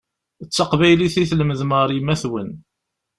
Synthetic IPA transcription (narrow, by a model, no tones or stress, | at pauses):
ət͡sːɑqvæjliθiθlməðməɾˤimæθwən